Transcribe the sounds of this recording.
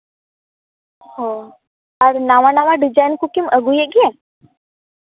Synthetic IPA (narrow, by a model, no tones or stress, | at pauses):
ho | ɐɾnaʋanaʋaɖid͡ʒajnkukiməɡujeɡiẽ